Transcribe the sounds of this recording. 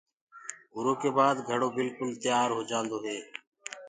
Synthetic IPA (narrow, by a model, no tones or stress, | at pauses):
ɦʊɾoːkeːbaːd̪ɡʱəɽoːbɪlkʊlt̪ɪjaːɾɦoːd͡ʒãːnd̪oːɦeː